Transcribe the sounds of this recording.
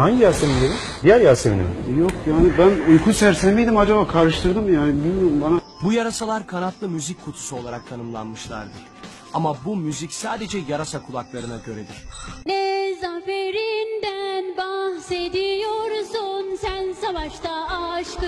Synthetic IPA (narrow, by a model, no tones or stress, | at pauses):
haɲɟijasemindʲeɾi | b̪ijæɾjaseminḭɾjokjaːnibænujkʰunsæɾsæmejd̪imad͡ʒabaːkʰaɾɯʃt̪ʰɯɾd̪ɯmjaːnɪbilʲmijoɾumbana | bujaɾasalˠaɾkʰanat̪lˠɯmyzicʲʰkʰːut̪ʰu̥suo̞lˠaɾak̚t̪ʰanɯmlˠa̰nmɯʃlˠa̰ɾd̪ɯɾ̥ | amabumyzicsaːd̪e̞d͡ʒɛjaɾasakʰulˠaklˠaɾɯnaɟø̞ɾed̪ʲiɾ̥nɛzafeɾind̪ænbahsed̪ijoɾsunsænsavaʃt̪aːʃkɯ